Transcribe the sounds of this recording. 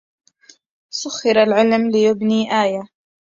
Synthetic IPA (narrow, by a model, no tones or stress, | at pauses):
sʊxːɪɾalʕɪlmlɪjʊbniːʔaːja